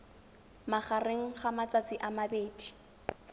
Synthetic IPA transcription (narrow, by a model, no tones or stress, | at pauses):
maχareŋ̩χamat͡sat͡sʼɪʔamabeːdi̥